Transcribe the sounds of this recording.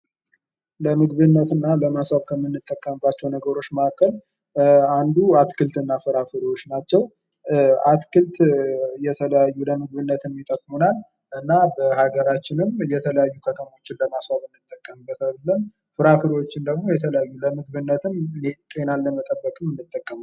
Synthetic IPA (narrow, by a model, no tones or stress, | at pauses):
ləmɨɡβɨnːət̪ɨnːaləmaswaβkʰəmːɨnːɨt̪ʼːəkʼːəmbːat͡ʃːɛwnəɡəɾo̞t͡ʃːmakʰʼːəl | and̪uat̪kʰɨlt̪ɨnːafɨɾafɨɾwot͡ʃːnat͡ʃːɛw | ʔat̪kʰɨlt̪jɛt̪ʰələjajːuləmɨɡβɨnːət̪ɨmːit̪ʼəkʼmunal | ʔɨnːabəhaɡəɾat͡ʃːɪnɨmjɛt̪ʰələjajːukʰət̪ʰəmo̞t͡ʃːɪnləmaswaβɨnːɨt̪ʼːəkʼːəmɨbːət̪alːəm | fɨɾafɨɾiwot͡ʃːɪnd̪əɡmo̞jɛt̪ʰələjajːuləmɨɡβɨnːət̪ʰɨmnet̪ʼe̞nalːəmət̪ʼəbːəkʼɨmɨnːɨt̪ʼːəkʼːəma